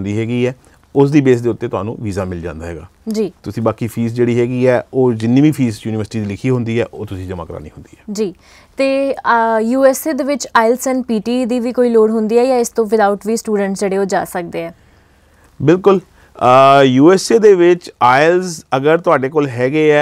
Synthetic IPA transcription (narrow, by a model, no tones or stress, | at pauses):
nd̪iːɦɛːɡiːɛː | ʊsd̪iːbeːs̬d̪eːʊt̪ːeːt̪ʊɦa̰ːnṵ̃ːʋiːzaːmɪld͡ʒã̰ːnd̪aːɦɛ̰ːɡa̰ːd͡ʒiːt̪ʊsĩːbaːkiːpʰiːsd͡ʒeːɽiːɦɛːɡiːɛːoːd͡ʒɪnːĩːbiːpʰiːsjuːnɪʋəɾsʈiːd̪iːlɪkʰiːɦʊ̃nd̪iːɛːʔo̰ːt̪ʊsĩːd͡ʒəma̰ːkəɾa̰ːnḭ̃ːɦʊnd̪iːɛːd͡ʒiː | t̪eː | juːɛːseːd̪eːʋɪt͡ʃaːɪlsɛ̃ːnpiːʈiːd̪iːʋiːkoːiːloːɽɦʊnd̪iːɛːjãːɪst̪õːʋɪd̪aːʊʈʋiːsʈuːɖəɳʈsd͡ʒeːɽeːoːd͡ʒa̰ːsək̚d̪eːɛː | bɪlkʊl | juːɛːseːd̪eːʋɪt͡ʃaːɪlzəɡəɾt̪ʊaːɖeːkoːlɦɛːɡeːɛː